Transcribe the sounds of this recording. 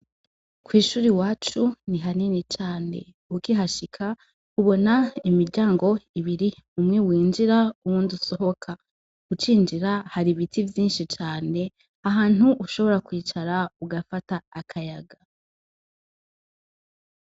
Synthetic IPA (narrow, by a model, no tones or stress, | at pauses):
kwiːʃuːɾiwaːt͡ʃuniɦaninit͡ʃaːne̞̰ | ukiɦaʃikʰa | kuβo̞naimiɾɟaːŋɡo̞iβiɾiumŋewiːnd͡ʒiɾauwunduso̞ɦo̞kʰa | ut͡ʃiːnd͡ʒiɾahaɾiβitʰivjiːnʃit͡ʃaːne̞ | aɦaːn̥huʔuʃo̞βo̞ɾakwiːt͡ʃaɾauɡafataːkʰajaɡa